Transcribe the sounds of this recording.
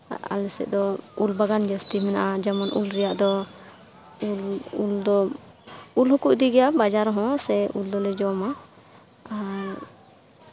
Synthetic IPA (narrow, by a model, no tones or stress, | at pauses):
a̰lɛsɛ̰ʔd̪ɔulbaɡand͡ʒəst̪imɛna̰ʔad͡ʒamɔnʔulɾɛjaʔd̪ɔ | ululd̪ɔ | ulɦɔkuʔd̪iɡɛjabad͡ʒaɾɦɔ̃sɛʔuld̪ɔlɛd͡ʒɔma | aɾ